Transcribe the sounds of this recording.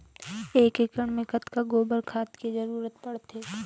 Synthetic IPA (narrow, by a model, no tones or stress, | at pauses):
eːkekəɳ̃mẽkət̪kaɡoːbəɾkʰaːt̪kizɐɾuːɾət̪̚pɐɽt̪eː